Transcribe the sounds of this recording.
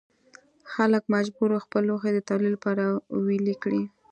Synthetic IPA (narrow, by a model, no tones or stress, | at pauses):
xaləkmad͡ʒbuɾoxpəloxed̪ət̪ɑlilapɑɾawilikɽi